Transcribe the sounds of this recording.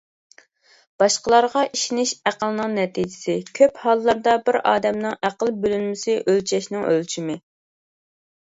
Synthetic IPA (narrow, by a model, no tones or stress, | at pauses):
b̥ɑʃqəlˠɑɾʁɑʔiʃinɪʃæqəlˠnɨŋnɛt̪ʰid͡ʒɪ̥sɪkʲʰøphɑlˠːɑɾd̪ɑbɪɾɑ̰ːd̪ɛmnɨŋæqəlˠbølylmɪsɪʔølt͡ʃʰɛʃnɪŋø̰lt͡ʃʰimɪ